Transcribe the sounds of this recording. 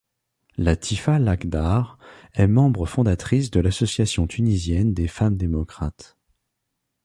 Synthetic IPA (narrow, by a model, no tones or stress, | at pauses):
lat̪ʰifalakd̪aʁɛmɑ̃bʁəfɔ̃d̪at̪χis̬d̪əlasɔsjasjɔ̃t̪ʰynizjɛnd̪efamd̪emɔkχat̪